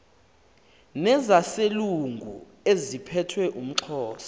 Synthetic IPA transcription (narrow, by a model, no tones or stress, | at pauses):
nɛzaseluŋɡʱu | ezipʰɛtʰwɛʔum̩ǁʰɔːsɔ̥